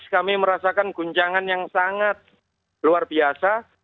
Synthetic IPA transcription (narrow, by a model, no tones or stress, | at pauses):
skamiməɾasakanɡuɲt͡ʃaŋanjaŋsaŋat̪̚ | luarbiasa